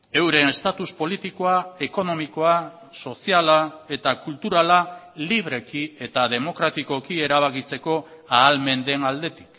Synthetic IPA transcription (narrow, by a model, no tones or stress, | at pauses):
e̞wɾenest̪at̪uspo̞lit̪iko̞ae̞ko̞no̞miko̞a | so̞sialae̞t̪akult̪uɾala | liβ̞ɾe̞kie̞t̪aðe̞mo̞kɾat̪iko̞kie̞ɾaβ̞akit͡se̞ko̞aːlme̞nd̪e̞nald̪e̞t̪i̥k